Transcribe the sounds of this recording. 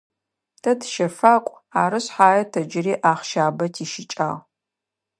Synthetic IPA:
tʰɐtʰʃɐfaːkʷʼ | aːɾɨɕħaːjɐtʰɐd͡ʒɪriːʔaːχʃaːbɐtʰiːʃɪt͡ʃʼa̰ːʁ

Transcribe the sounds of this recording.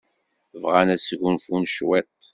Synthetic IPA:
vʁanæsʝunfunʃwæt̪

